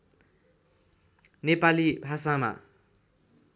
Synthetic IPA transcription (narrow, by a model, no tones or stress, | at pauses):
nepalibʱasama̰